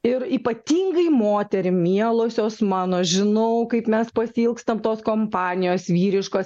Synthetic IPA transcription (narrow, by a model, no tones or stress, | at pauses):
ɪɾiːpɐt̪ʲiːŋɡɐɪmoːt̪ʲɛɾʲɪmʲiɛlˠoːsʲoːsmɑːnoːʒʲɪnɐʊkɐɪpmʲɛspɐsʲiːlˠkst̪ɐmt̪oːskoːmpɑːnʲɪjoːsʋʲiːɾʲɪʃkoːs